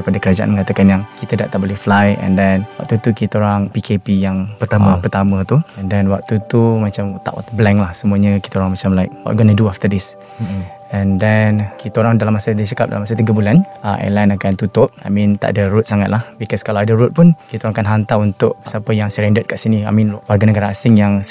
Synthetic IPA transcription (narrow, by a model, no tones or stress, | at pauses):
padakəɾad͡ʒaʔa̰nməŋat̪əkanjaŋkit̪əda̰ʔt̪aʔbolɛhflajɛ̰ndɛnwa̰k̚t̪ut̪ukit̪aoɾaŋpikepijaŋpət̪aməpərt̪amə̃t̪uɛndɛnwa̰k̚t̪ut̪umat͡ʃamt̪a̰ʔwa̰t̪ublɛŋlahsəmuaɲəki̥t̪aoɾaŋmat͡ʃamlaɪk̚wɔ̰ʔ̪̚ɡɔnəduaft̪ədɪs | ɛ̃ndɛnkit̪aoɾaŋdalamasadet͡ʃakap̚dalamasat̪iɡəbulana̰ʔɛ̰lajnakant̪ut̪ʊp̚a̰jmĩnt̪a̰ʔadəɾut̪̚saŋat̪lahbikɔskalaadəɾut̪̚pʊnkit̪aoɾaŋakanɦant̪aunt̪ʊʔ̚sapəjaŋsəɾɛndət̪̚kaʔsinia̰mĩnwarɡanəɡaɾaːsɪŋjaŋ